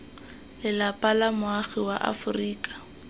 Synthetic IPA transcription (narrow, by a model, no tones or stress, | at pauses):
lɪlapalamʊaχɪwaʔa̰fʊriːkʼḁ